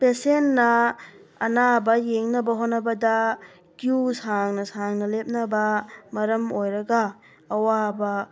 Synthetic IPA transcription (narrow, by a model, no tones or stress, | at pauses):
pesenːɐ | ɐnabɐjeŋnɐbɐɦotnɐbɐdɐ | kjusaŋnɐsaŋnɐlep̚nɐbɐmɐɾɐmojɾɐɡaː | wabɐ